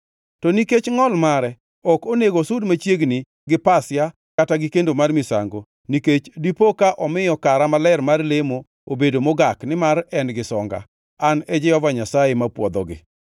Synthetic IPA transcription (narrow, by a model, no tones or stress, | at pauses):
tɔniket͡ʃŋɔlmaɾɛ | ɔkoneɡosudmat͡ʃjeɡni | ɡɪpasja | kataɡɪkendomarmɪsa̰ŋɡo | niket͡ʃdipokaʔɔmɪjɔkaɾamalɛrmarlemo | obedomoɡaknɪmarɛnɡɪsɔŋɡa̰ | anɛd͡ʒɪɔvaɲasajemapwɔd̪ɔ̰ɡɪ̰